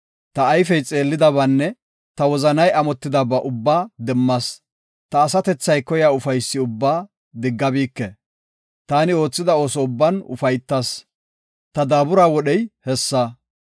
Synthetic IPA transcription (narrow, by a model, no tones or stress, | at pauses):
t̪ɐːjfɛjt͡sʼe̞ːlːɪd̪ɐβɐnːɛ | t̪ɐwɔzɐnɐjɐmɔt̪ːɪd̪ɐbɐʔʊbːaːd̪ɛmːɐs | t̪ɐːsɐt̪ɛt͡sːɐjkɔjaːʊfɐjsːɪʊbːaː | d̪ɪɡːɐbiːkːɛ | t̪aːnɪo̞ːt͡sːɪd̪ɐo̞ːsɔʊbːɐnʊ̰fɐjt̪ːɐs | t̪ɐd̪aːbʊɾaːwɔɗɛjhɛsːɐ